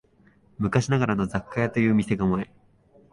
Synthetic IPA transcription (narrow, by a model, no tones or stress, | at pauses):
mɯ̟kaɕinaɡaɾano̞zakːajat̪o̞jɯ̟ːmʲise̞ɡamoe